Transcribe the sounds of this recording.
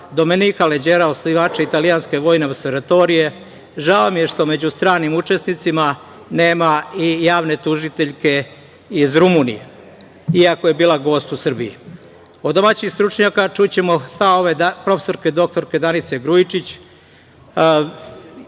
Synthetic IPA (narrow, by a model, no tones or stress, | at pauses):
d̪o̞me̞niːkaled͡ʑeːɾaosliʋaːt͡ʃeit̪alijanske̞ʋo̞ːjne̞oseɾat̪o̞ɾije̞ | ʒaomije̞ʃt̪o̞me̞d͡ʑust̪ɾaːnimut͡ʃe̞snit̪sima | ne̞ːmaijaːʋne̞t̪uʒit̪eʎke̞ | izɾumunḭjḛ | iako̞je̞biːlaɡo̞ːst̪usr̩biḭ | od̪d̪o̞maːt͡ɕixst̪ɾut͡ʂɲakat͡ʃut͡ɕe̞mo̞st̪aoʋed̪apɾo̞feso̞ɾske̞d̪o̞k̚t̪o̞ɾke̞d̪anit̪seɡɾuit͡ʃit͡ɕ